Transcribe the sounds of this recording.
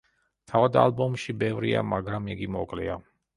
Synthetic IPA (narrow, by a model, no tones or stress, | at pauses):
t̪ʰavad̪a̰lbɔmʃibɛvɾḭa̰maɡɾamiɡimɔ̰kʼlɛ̰a